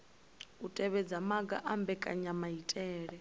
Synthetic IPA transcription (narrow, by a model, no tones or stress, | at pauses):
utʼɛβɛd͡zamaɡa̰ʔambɛkʼa̰ɲamaitʼɛːɺɛ